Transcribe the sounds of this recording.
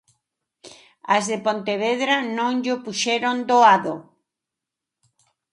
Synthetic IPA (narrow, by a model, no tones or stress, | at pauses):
azðepont̪eβ̞eðɾanõŋʎopuʃeɾond̪oaðo